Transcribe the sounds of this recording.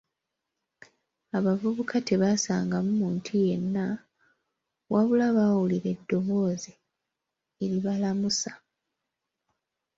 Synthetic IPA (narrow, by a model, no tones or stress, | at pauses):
aβavuβukʰate̞βasaːŋɡamumuːntʰije̞nːa | wʔaβulaβawuliɾe̞dːo̞βo̞ːze | eɾiβalamusḁ